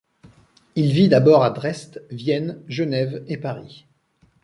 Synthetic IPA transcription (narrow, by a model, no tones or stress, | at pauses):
ilvid̪abɔʁad̪ʁɛst̪vjɛnʒənɛvepaʁi